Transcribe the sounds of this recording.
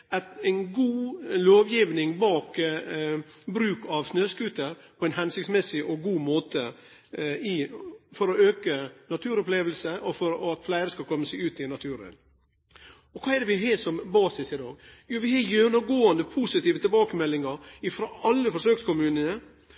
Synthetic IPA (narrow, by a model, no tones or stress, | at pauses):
ɛt̪æɪnɡuːloːʋjiːʋnɪŋbɑːk | bɾʉːkʰɑʋsnøːskʉːt̪əɾpʰɔɛɪnhɛnsɪksmɛsɪʔɔɡuːmoːt̪ə | ɪfɔɾɔøːkənɑt̪ʰʉːɾɔpleːʋəlsəɔfɔɾɔɑt̪flæɪɾəskɑlkʰɔmːəseːʉːt̪ɪnɑt̪ʰʉːɾə̰n | ɔkʰɑːɛd̪ɛʋɪɦeːsɔmbɑːsɪsɪd̪ɑːɡjuːʋɪhɑjɛnːəɡoːənd̪əpʰusɪt̪iːʋət̪ɪbɑːkəmɛlːɪŋəɾɪfɾoːʔɑlːəfɔʂøːkskʊmʉːnənə